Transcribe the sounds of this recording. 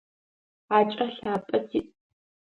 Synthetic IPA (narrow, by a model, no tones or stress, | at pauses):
aːt͡ʃʼɐɬaːpʼɐtʰiːtʼ